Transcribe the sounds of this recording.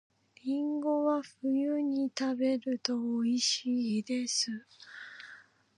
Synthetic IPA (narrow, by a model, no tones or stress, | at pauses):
ɾʲĩŋɡo̞βaɸɯ̟jɯɲ̟it̪abe̞ɾɯ̟t̪o̞ːiɕid̪e̞sɨ